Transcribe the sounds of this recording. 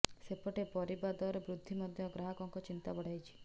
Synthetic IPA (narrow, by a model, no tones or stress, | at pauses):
sepɔʈepɔɾibad̪ɔɾɔbɾud̪ʱːimɔd̪ʱjɔɡɾaɦɔkɔŋkɔt͡ʃint̪abɔɽ̤ajt͡ʃʰi̥